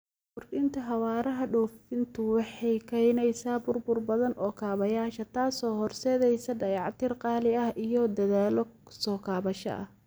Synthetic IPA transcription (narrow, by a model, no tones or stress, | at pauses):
bʊrɪnt̪ʰɐɦɑwaːɾɐɦɐɖɔːfɪnt̪ʰʊwɑħɑjkʰɐnɛjsaːbʊrbʊrbɐðɐnʔɔːkʰaːβɐjaːʃɐt̪ʰaːsɔːhɔrsɛːðɛjsɐɖɐjɑʕt̪ʰɪrqɑːlɪɐhʔijɔd̪ɐðaːlɔsɔːkʰaːβɐʃɐ̰ʔɐ̰h